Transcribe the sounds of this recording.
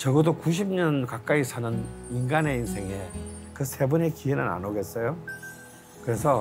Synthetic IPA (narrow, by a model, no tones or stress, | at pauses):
t͡ɕʌɡɯdokuɕ̬ʰim̚ɲʌnkak͈aisʰanɯninɡane̞insʰe̞ŋekɯsʰe̞bune̞kienɯna̰noɡe̞t̚s͈ʌjo | kɯɾe̞sʰʌ